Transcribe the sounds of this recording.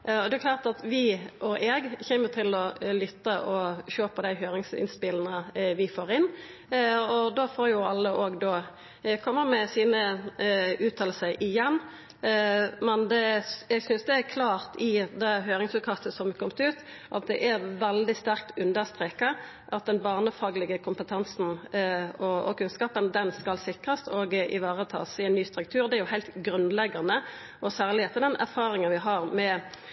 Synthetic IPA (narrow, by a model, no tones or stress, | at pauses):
ɔd̪ɛæɾkʰlɑːʁt̪ɑt̪ʋɪʔɔʔeːɡçɛːməɾt̪ʰɪlɔlʏt̪ːəʔɔʃoːpʰɔd̪æɪɦøːɾɪŋsɪ̰nspɪlnəʋɪfoːɾɪnː | ɔd̪oːfoːɾjʊɑlːəʔoːɡd̪oː | kʰɔmːəɾmɛsiːnə | ʉːt̪ʰɑl̩səɾʔɪjɛnː | mɛnd̪ɛjæɪɡsʏnsd̪ɛæɾkʰlɑːɾt̪ʰɪd̪ɛɦøːɾʁɪŋsʉkʰɑt̪ːəsɔmʋkʰɔmt̪ʉːt̪ | ʔɑt̪̚d̪ɛʔæɾʋɛld̪ɪst̪æʁk̚t̪ʉnd̪əʁst̪ʁeːkɑ | ʔɑt̪̚d̪ɛnbɑːʁnəfɑːɡlɪɡəkʰʊmpət̪ʰɛnsn̩ | ɔɔkʰʉnskɑːpənd̪ɛnskɑlsɪkʁɑst̪oːɡʔɪ̰ʋɑːʁət̪ʰɑ̰ːsɪɛnnːyːst̪ʁʉk̚t̪ʰʉːʁd̪ɛæɾjʊhæɪlt̪ɡɾʉnlɛɡːɑnə | ʔɔsæːʁlɪɛt̪ːəd̪ɛnʔæʁfɑːɾɪŋənʋɪɦɑʁmɛ